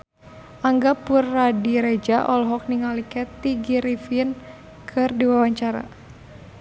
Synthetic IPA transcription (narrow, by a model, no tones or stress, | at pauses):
ʔaŋɡapurːadiɾɛd͡ʒaʔɔlɦɔk̚niŋalikɛt̪iɡiɾifin | kʰɨrdiwawaɲt͡ʃaɾa̰